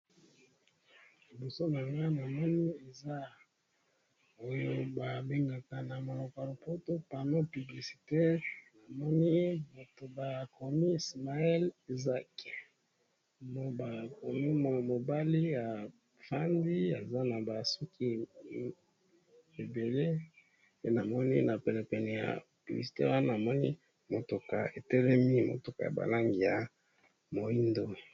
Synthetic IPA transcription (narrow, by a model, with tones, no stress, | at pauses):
li˨bɔ˨so˦na˨za˦na˨mɔ˦ni˦e˨za˦ | o˦jo˦ba˨be˦ŋɡa˨ta˨na˨mo˨lo˨ka˨lo˨po˦to˦pa˨no˦py˨bli˨si̥˨te˦na˨mɔ˦ni˦ba˨to˨ba˨kʰo˨ni˦i˨sma˨ɛ˦li˨za˦k | bo˨ba˨ko˨mi˦m˨mo˨ba˦li˦ja˨ | fa˦ndi˦a˨za˦na˨ba˨su˦ki˦ | e˨be˨le˦ | pe˨na˨mɔ˦nḭ˦na˨pɛ˨lɛ˨pɛ˨nɛ˨ja̰˨ | pi˨bi˨si̥˨te˦wa˦na˨mɔ˦ni˦ | mo˨tu˨ka˨e˨tɛ˦lɛ˦mi˦mo̰˨tu˨ka˨ja̰˨ba̰˨la˦ŋɡi˨ja˨ | mo˨i˦ndo˦